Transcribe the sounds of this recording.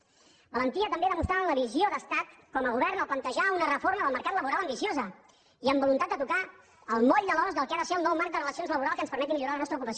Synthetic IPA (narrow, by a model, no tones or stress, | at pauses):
bələnt̪iət̪əmbeðəmust̪ɾaənləβizjoðəst̪at̪kɔməɣuβɛɾnəlplənt̪əʒaunərəfoɾməðəlˠməɾkat̪ləβuɾaləmbisjozə | iəmbulunt̪at̪d̪ət̪uka | əlˠmɔʎd̪əlɔzðəlˠkaðəseəlˠnɔwmaɾk̚d̪ərəlˠəsionzləβuɾalˠskənspəɾmɛt̪imiʎuɾalənɔst̪ɾəukupəs